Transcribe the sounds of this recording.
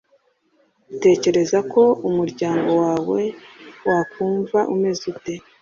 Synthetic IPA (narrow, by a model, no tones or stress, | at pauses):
ute̞ːce̞ɾe̞zako̞umuɾɟaːŋɡo̞waːwe̞wakuːɱvaʔume̞zute